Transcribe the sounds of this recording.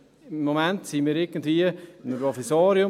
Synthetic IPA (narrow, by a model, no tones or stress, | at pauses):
ɪmːomæntsinmiːɾɪɡəndʋiəɪnpɾofisɑːɾjʊ